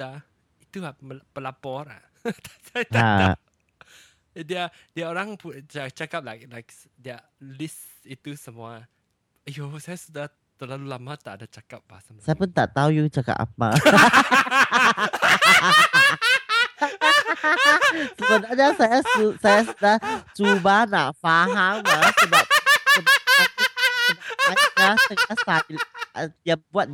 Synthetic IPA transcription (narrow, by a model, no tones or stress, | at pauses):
a | it̪uaməpəlapɔɾa̰ | t̪asat̪aa̰ | diadiaoɾãŋput͡ʃat͡ʃakap̚lak̚lajk̚ | dia | lis | it̪usəmua | josajasuda | t̪əlalulamat̪aʔadat͡ʃakap̚baasamsajapunt̪a̰ʔt̪aujut͡ʃaka̰pʔa̰pa̰ | səbənaɲasajasusajasudaht͡ʃubanaʔfaɦaŋasədap̚sədaasədaakasəŋasailaʔdiabuat̪̚